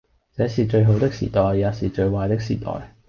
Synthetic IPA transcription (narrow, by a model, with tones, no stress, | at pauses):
t͡sɛː˨˥siː˨˩t͡ʃɵ˧ɥɦo˨˥wt̪ɪ˥k̚sḭː˨˩t̪ɔː˨˩jːaː˨˧wsiː˨t͡ʃɵ˧ɥwaː˧jt̪ɪ˥k̚siː˨˩t̪ɔ̰ː˨˩j